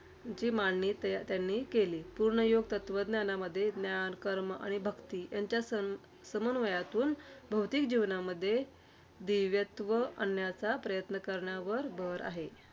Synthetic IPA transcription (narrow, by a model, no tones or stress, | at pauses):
t͡ɕiːmaɳːiːt̪jt̪janːiːkeliːpuɾɳəjoɡ̚t̪ət̪ʋəd̪njanaməd̪ʱːjed̪njankəɾməʔa̰ɽ̃ibʱəkt̪ijaɲt͡ɕjasə | səmənʋəjat̪uːnbʱəwt̪ikd͡ʑiʋnaməd̪ʱːje | d̪iʋjət̪ʋəʔənjat͡sapɾəjət̪nəkəɾɳjaʋəɾbʱəɾa̰ɦe